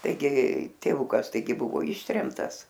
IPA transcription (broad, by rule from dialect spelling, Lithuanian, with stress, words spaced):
tɐɪˈɡʲɪ tʲeːˈʋʊkɐs tɐɪˈɡʲɪ ˈbʊʋoː ˈɪʃʲtʲrʲɛmtɐs